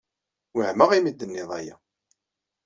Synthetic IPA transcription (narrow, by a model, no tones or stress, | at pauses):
wəʕməʁimid̪ːənːɪðˤæja̰